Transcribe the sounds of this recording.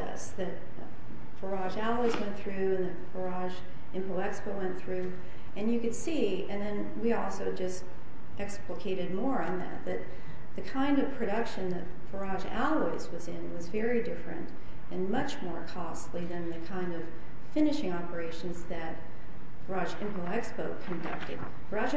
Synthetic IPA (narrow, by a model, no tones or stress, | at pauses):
ʌ̰sðɨt̚ | fə˞ɑʒælˠoɪzwɛ̃nθɹʉɨ̃nðɨt̚fə˞ɑʒ | ɪ̃mpʰolˠɛkspowɛ̃nθɹʉ | ɨ̃njɨkɨd̥si | ɨ̃nðɨ̃n | wiɔlˠsoʊd͡ʒʌst | ʔɛkspləkʰeɪɾɨd̚mɔɹɨ̃nðɨ̰t̪̚ðɨt̪̚ | ðɨkʰãɪ̃ndʌv̥pʰɹ̥ɨɾʌkʃɨ̃nðɨt̚ | v̥ə˞ɑʒæ̰lˠwɪɪzwʌzɪ̃nwʌzvɛɹidɪfɹɨ̰̃nt | ɨ̃nmʌt͡ʃmɔɹkʰɔstˡliðɨ̃nðɨkʰãɪ̃ndʌv̥ | fɪ̃nɨʃɪ̃ŋɑpə˞eɪʃn̩zðɨt̚ | v̥ə˞ɑʒɪ̃mpoʊɛkspoʊkʰɨ̃ndʌ̰k̚tɨ̰d̥̚ | b̥ə˞ɑʒ